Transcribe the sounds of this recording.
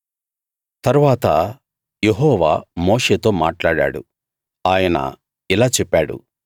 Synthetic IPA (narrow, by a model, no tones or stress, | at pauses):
t̪ɐɾuʋaːt̪ɐ | jeɦɔːʋa̰ːmoːʂeːt̪o̞ːmaːʈlaːɽa̰ːɽṵ | aːjɐnɐ̰ | ilaːt͡ʃɛpːaːɽṵ